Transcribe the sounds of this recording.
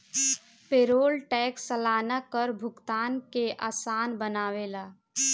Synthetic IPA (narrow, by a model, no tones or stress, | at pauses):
peːɾoːlʈɛːksːəlaːnakəɾbʱʊɡt̪aːnkeʔaːsaːnbənaːʋelaː